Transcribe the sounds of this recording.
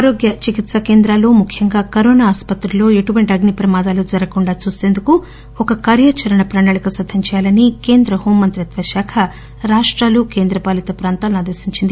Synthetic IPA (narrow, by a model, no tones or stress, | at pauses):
aːɾo̞ːɡjɐt͡ʃikit̪sɐke̞ːnd̪ɾaːloːmukʰjɐŋɡaːkɐɾoːnaːspɐt̪ɾilo̞ːe̞ʈuʋɐɳʈiɐɡnipɾɐmaːd̪aːlud͡ʒɐɾɐkuɳɖaːt͡ʃuːseːnd̪uku | ɔkɐkaːɾjaːt͡ʃɐɾɐɳɐpɾɐɳɐɭikɐsɐd̪ʱːɐɲt͡ʃɛːjaːlɐnikeːnd̪ɾɐhuːmːɐnt̪ɾiɐt̪ʋɐʃaːkʰɐ | ɾaːʂʈɾaːlukeːnd̪ɾɐpaːlit̪ɐpɾaːnt̪aːlɐnaːd̪ɐɾsiɲt͡ʃind̪i